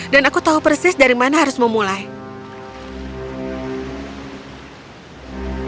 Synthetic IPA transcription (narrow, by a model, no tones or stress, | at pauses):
danakut̪aupərsɪsdaɾimanaɦaɾʊsməmulaj